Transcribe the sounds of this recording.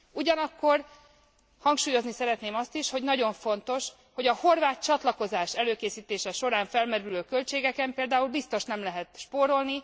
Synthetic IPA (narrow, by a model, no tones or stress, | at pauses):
uɟɒnɒkːo̞r | hɒŋkʃuːjo̞znisɛɾɛt̪neːmɒst̪iʃho̞ɟnɒɟo̞ɱfo̞nt̪o̞ʃ | ho̞ɟɒho̞rvaːt̪̚t͡ʃɒt̪lɒko̞zaːʃɛløːkeːsiːt̪eːʃɛʃo̞ɾaːɱfɛlmɛɾyløːkø̞lt͡ʃeːɡɛkɛmpeːld̪aːulbist̪o̞ʃnɛmlɛɦɛt̪ʃpoːɾo̞lni